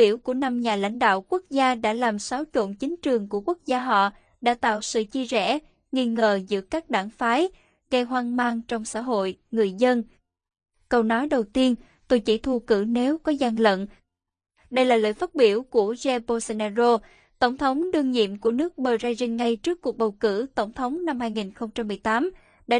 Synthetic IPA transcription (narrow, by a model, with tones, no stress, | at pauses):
i˧˩əwku˧˩əna˧mɲaː˨˩la̰˧˥jŋ̟ɗa̰ː˧˨wku˦˥ək̚zaː˧ɗa̰ː˧˥laː˨˩msa˨˦wt͡ɕo̰˧˨nt͡ɕï˨˦ŋ̟t͡ɕɨ˨˩əŋku˧˩əku˦˥ək̚zaː˧ɦɔ̰˧˨ | ɗa̰ː˧˥t̪a̰ː˧˨wsɨ̰˧˨t͡ɕi˧əzɛ̰˧˥ | ŋi˧nŋəː˨˩zɨ̰˧˥əkaː˦˥k̚ɗaː˧˩ŋfaː˨˦j | ɣə˧jɦwaː˧ŋmaː˧ŋt͡ɕɔ˧wŋ͡msa̰ː˧˥ɦo̰˧˨jŋɨ˨˩əjzə˧n | kə˧wnɔ˨˦jɗə˨˩wt̪i˧ən | t̪o˧jt͡ɕḭ˧˩t̪ʰu˧kɨ̰˧˩ne˨˦wkɔ˨˦za˧ŋlə̰˧˨n | ɗə˧jlaː˨˩lə̰ː˧˨jfaː˦˥t̚ɓi˧˩əwku˧˩əzɛ˧bo˧se˧naː˧zo˧ | t̪ə˧˩wŋ͡mt̪ʰə˨˦wŋ͡mɗɨ˧əŋɲḭ˧˨əmku˧˩ənɨ˦˥ək̚ɓəː˨˩zaː˧jzi˧ŋ̟ŋa˧jt͡ɕɨ˦˥kːu˨˩k̚ɓə˨˩wkɨ̰˧˩t̪ə˧˩wŋ͡mt̪ʰə˨˦wŋ͡mna˧mhaː˧jŋi˨˩nxə˧wŋ͡mt͡ɕa˧mːɨ˨˩əjt̪aː˨˦m | ɗa̰ː˧˥